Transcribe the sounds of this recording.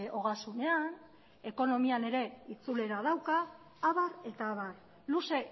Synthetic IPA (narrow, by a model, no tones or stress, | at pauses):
ʔo̞ɣasune̞an | e̞ko̞no̞miane̞ɾe̞it͡sule̞ɾað̞awkaː | βaɾe̞t̪aːβar | luse̞